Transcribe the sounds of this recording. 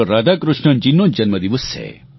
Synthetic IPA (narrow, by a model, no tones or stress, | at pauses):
ɔɾad̪akɾuʃɳɐnd͡ʒinːod͡ʒɐnmɐd̪iʋɔsḛ